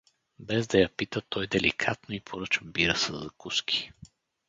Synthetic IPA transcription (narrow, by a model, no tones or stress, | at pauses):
bɛzd̪ɐjɐpit̪ət̪ɔjd̪ɛlḭkʰat̪noipʰoɾɤt͡ʃəbiɾəsəzɐkuskʲʰi̥